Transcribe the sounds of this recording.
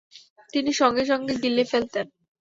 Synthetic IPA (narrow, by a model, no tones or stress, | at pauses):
t̪iniʃɔŋɡeʃɔŋɡeɡ̪ilːifelt̪en